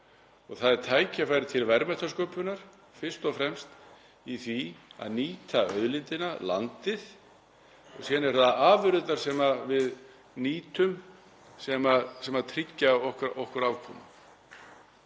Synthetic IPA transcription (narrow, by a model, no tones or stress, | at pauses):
ɔɣθaðɛɾ̥t̪ʰaːjcafaːjɾɪt̪ʰɪlvɛɾmɛht̪askœːpʏnaɾ̥ | fɪr̥st̪ɔfɾɛmst̪ | iθvia̰ðniːt̪ʰaœðlɪnt̪ɪnala̰nt̪ɪð | ɔɣsjɛːnɛɾ̥θaðaːvʏɾʏt̪naɾ̥sɛmavɪð | niːt̪ʏm | sɛmasɛmat̪ʰɾɪcːaɔhkɾɔhkʏɾawkʰɔːmʏ